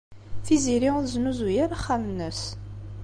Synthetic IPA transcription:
θiziɾiðznuzujaɾaχːæmnəs

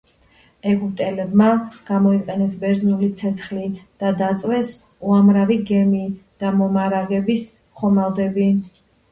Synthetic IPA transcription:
ɛɡut̪ʼɛlɛbmaɡ̥amɔiqʼɛnɛsbɛɾznulit̪sʰɛt̪sʰχlid̪̥ad̪at̪sʼwɛs | uamɾaviɡɛmid̪̥amɔmaɾaɡɛbis | χɔmalˠd̪ɛbi

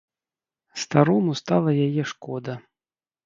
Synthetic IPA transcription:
st̪aɾɔmust̪alˠɐjajɛʂkɔd̪ɐ

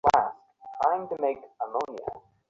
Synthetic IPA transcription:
læs | tʰɹ̥ãɪ̃mtɨmeɪkəlõʊ̃niə̰

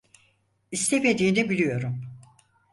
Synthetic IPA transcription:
ist̪ʰeme̞d̪iːnɛbilʲijo̞ɾum

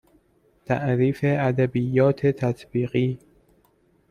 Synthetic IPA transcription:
t̪ʰæ̰ʔɾiːfeæd̪æbijːɒːt̪ʰet̪ʰæt̪ʰbiːɣiː

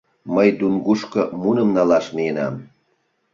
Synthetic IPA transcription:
məjd̪unɡuʃkəmunəmnɑlɑʃnijenɑ̰m

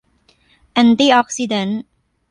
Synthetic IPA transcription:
ʔɛ̃nt̪iɔk̚sidə̃n

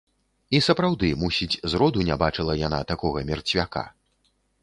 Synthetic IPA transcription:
isɐpɾawd̪ɨmusʲid͡zʲzɾɔd̪unʲabat͡ʂɨlˠɐjana̰t̪akɔɣɐmʲɛrt͡sʲvʲaka̰

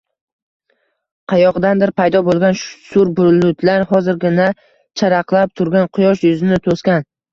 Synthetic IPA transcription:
qʰɑjɒʁd̪and̪ɪɾpʰajd̪ɒbolˠɡʲanʃsʊɾbʊlʊt̪ʰlaɾɦɒzɪɾɡʲɪna | t͡ʃʰaɾɑqlˠap̚t̪ʰʊɾɡʲanqʰʊjɒʃjʊzɪnɪt̪ʰoskʲan

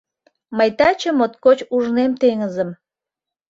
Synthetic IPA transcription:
məjt̪ɑt͡ɕə̆mot̪̚kot͡ɕuʒnemt̪eŋəzəm

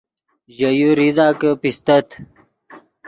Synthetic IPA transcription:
ʑɐjuɾizaːkəpist̪ɐt̪

